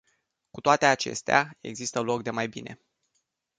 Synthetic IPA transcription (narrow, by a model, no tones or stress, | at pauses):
kut̪oat̪e̞at͡ʃe̞̰st̪eae̞̰ɡzist̪əlo̞k̚d̪e̞majbinʔe̞̰